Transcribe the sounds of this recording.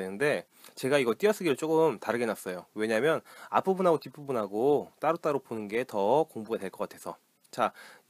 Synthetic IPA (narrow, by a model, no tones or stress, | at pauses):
enɯnde̞ | t͡ɕe̞ɡaiɡʌɭt͈iʌs͈ɯɡiɾɯɭt͡ɕ͈ok͈ɯmtaɾɯɡe̞nas͈ʌjowe̞ɲamjʌna̰pʰɯbunɦaɡot͡ɕipʰubunɦaɡot͈aɾot͈aɾoponɯnɡe̞tʌkoŋbuɡadwe̞ɭk͈ʌk͈atʰe̞sʰʌ | t͡ɕa